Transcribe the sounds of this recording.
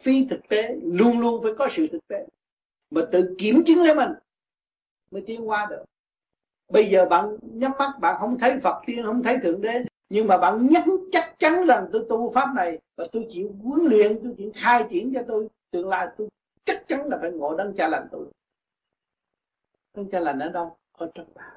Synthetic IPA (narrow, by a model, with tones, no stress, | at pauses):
fi˧˦t̪ʰɨ˨˩k̚t̪e˨˦lu˧ənlu˧ənfaː˧˩jkɔ˨˦sɨ̰˧˨t̪ʰɨ˨˩k̚t̪e˨˦ | maː˨˩t̪ɨ̰˧˨ki˧˩əmt͡ɕɨ˨˦ŋle˧˦mi˨˩ŋ | mə˨˦jt̪i˧˦ənkwaː˨˦ɗɨ˨˩ | ɓə˧jzəː˨˩ɓa̰ː˧˨nɲə˦˥t̚ma˦˥t̚ɓa̰ː˧˨nɦə˧wŋ͡mt̪ʰə˨˦jfə˨˩t̚t̪i˧ənhə˧wŋ͡mt̪ʰə˨˦jt̪ʰɨ̰˧˨əŋɗe˨˦ | ɲɨ˧ŋmaː˨˩ɓa̰ː˧˨nɲə˦˥t̚t͡ɕa˦˥k̚t͡ɕa˨˦nza˨˩ŋt̪o˧jt̪u˧faː˦˥p̚na˨˩jvaː˨˩t̪o˧jt͡ɕḭ˧˨wkwi˨˦ənlḭ˧˨ənt̪o˧jt͡ɕḭ˧˨əxaː˧jt͡ɕi˧˦ənt͡ɕɔ˧t̪o˧jt̪ɨ˨˩əŋla̰ː˧˨jt̪o˧j | t͡ɕa˦˥k̚t͡ɕa˨˦nlaː˨˩faː˨˧˦jŋo̰˧˨ɗə˧ŋt͡ɕaː˧la˨˩ŋt̪o˧j | ɗə˧ŋt͡ɕaː˧la˨˩n̟ʔəː˨˩ɗə˧w | kɔ˧˦t͡ɕɔ˧˩ŋ͡mɓaː˧˩